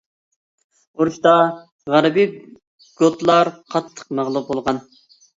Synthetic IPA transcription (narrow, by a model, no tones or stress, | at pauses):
oɾuʃt̪ɑ | ʁæɾbi | ɡ̥ot̪lˠɑɾqʰɑt̪ʰːə̥q̚mæʁlˠup̚bolˠʁɑn